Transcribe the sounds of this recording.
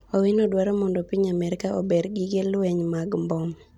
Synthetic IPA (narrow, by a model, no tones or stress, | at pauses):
ɔwɪnɔdwaɾɔmɔndɔpiɲamɛɾɪkao̰beɾɡɪɡelweɲmaɡmbɔm